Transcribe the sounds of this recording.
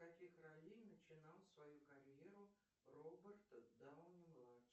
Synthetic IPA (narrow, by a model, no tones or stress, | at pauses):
kɐkʲixrɐlʲinət͡ɕɪnɑlˠsvɐjukɐɾʲjeɾʊ | robʲərt̪d̪aʊnʲɪmlˠat